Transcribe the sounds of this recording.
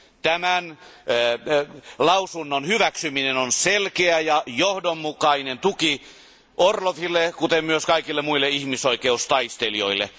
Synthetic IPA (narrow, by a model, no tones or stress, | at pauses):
t̪æmæn | lɑusunːonhyʋæksyminenonselkeæjɑjohdomːukɑinent̪uki | ʔorloʋilːekut̪emmyøskɑikilːemuilːeihmisoikeust̪ɑist̪elio̰ilːḛ